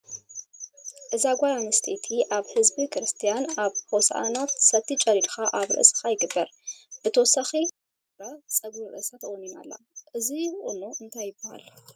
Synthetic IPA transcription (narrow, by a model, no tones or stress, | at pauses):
ʔɨzaɡʷajanɨst̪ʰet̪ʰiʔaβhɨzbikɾɨst̪ʰijanaβhosʔa̰nat̪sɐt̪ʰːit͡ʃʼɐɾid̪xaʔaβɾɐ̰ʔsɨ̥xajɪɡɨbːɐɾb̥ɨt̪ʰowsaxi | ɾat͡sʼɐɡuɾɐ̰ʔsat̪ʰɐʔʼnina̰lːa̰ʔɨziʔʼunoʔɨnt̪ʰajːɪbːɐha̰l